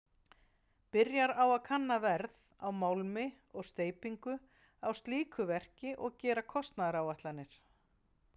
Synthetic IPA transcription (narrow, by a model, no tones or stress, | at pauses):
pɪɾjaɾawaðkʰanːavɛɾð | awmawlmɪ | ɔɣst̪eːjpiŋkʏ | awst̪liːkʰʏvɛr̥cɪʔɔɣcɛːɾakʰɔst̪naðɾawvaht̪lanːɪɾ̥